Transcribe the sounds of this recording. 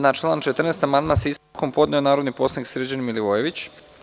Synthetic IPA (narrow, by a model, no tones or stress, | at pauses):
nat͡ʃlˠaːnt͡ʃet̪r̩neːst̪amand̪masisko̞mpo̞d̪nɛonaːɾod̪niposˠaniksɾed͡ʑanimiliʋojeʋit͡ɕ